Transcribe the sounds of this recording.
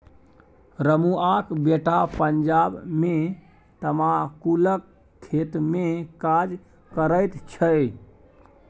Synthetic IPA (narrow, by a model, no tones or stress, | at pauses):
ɾəmuakbeʈapənd͡ʒabme | t̪əmãkuləkʰː | et̪mekad͡ʒ | kəɾəjt̪t͡ʃʰəj